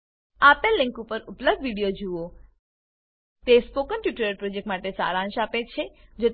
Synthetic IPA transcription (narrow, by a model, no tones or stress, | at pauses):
apəlːɪ̃ŋkupəɾupləb̚d̪ʋiɽijod͡ʒuo | t̪espokənʈjuʈəɾəɾpɾod͡ʒek̚ʈmaʈesa̰ɾãnʃapet͡ʃʰed͡ʒo